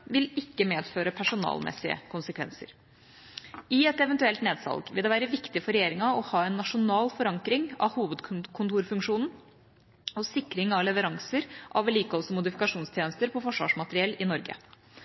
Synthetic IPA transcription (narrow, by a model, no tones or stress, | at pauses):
ʋɪlɪkːəmeːd̪føːɾəpʰæʂʊnɑ̰ːlmʔɛ̰sɪə̰kʰʊnsəkʰʋɛ̰nsə̰ɾ | ɪɛt̪ɛʋɛnt̪ʉɛlt̪neːd̪sɑ̰lɡʋɪld̪ɛʋæːɾəʋɪkt̪ɪfɔɾɛjeːɾɪŋɑɔhɑːɛnːɑʂʊnɑːlfɔɾɑŋkɾɪŋɑ̰ʋhuːʋəd̪kʰʊnt̪uːɾfʉŋkʂuːnn̩ | ɔsɪkːɾɪŋɑʋlɛʋəɾɑŋsəɾʔɑʋæliːkəɔsɔmʊd̪ɪfɪkɑʂuːnst̪ʰjeːnəst̪əɾpʰɔfɔʂʋɑ̰ːʂmɑt̪əɾɪɛlɪnɔɾɡə̰